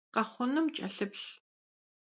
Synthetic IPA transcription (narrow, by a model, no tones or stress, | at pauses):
qɐχʷʊnɨmt͡ʃʼɐɬɨpɬ